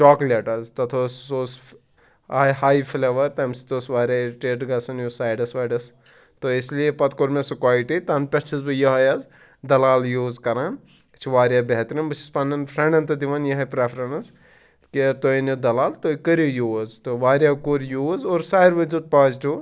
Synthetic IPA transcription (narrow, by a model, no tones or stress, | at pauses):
t͡ʃaːklʲeʈɐzt̪ɐt̪ʰosoːs | aːjɦaːjfʰileːʋɐɾt̪ɐmsi̥t̪oːsʋaːɾʲaːʈeːɖɡɐsɐnjusaːjɖɐsʋaːɖɐs | t̪oislijepɐt̪koɾmesukaːjʈit̪ɐnpʲeʈt͡ʃʰizbɨjɐɦɐjaz | d̪ɐlaːljuːzkɐɾãː | t͡ʃʰiʋaːɾʲjaːbeɦt̪ɾimbɨt͡ʃʰi̥spɐnɐnpʰɾẽɳɖɐnt̪ɐd̪iʋɐnjɐɦɐpɾepʰɾɐnɐs | keɾt̪oːinid̪ɐlaːlt̪oːikɐɾojuːzt̪oʋaːɾʲjaːkuɾjuːzoːɾsaːjɾʋɐd͡ʒud̪̚paːzʈʰu